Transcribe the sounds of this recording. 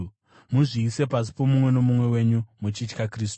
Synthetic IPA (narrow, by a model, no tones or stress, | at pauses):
muʐiːse̞pasi̥po̞mumwe̞no̞mumwe̞we̞ɲumut͡ʃit͡ʃkakriːstu̥